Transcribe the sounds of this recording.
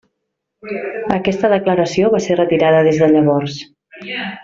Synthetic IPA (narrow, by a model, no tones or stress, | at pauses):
əkɛst̪əðəkləɾəsioβaserət̪iɾaðəðezðəʎəβɔrs